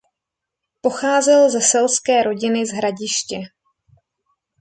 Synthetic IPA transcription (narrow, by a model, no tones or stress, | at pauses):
po̞xaːzɛlzɛsɛlskɛːɾo̞ɟɪnɪzɦɾaɟɪʃcɛ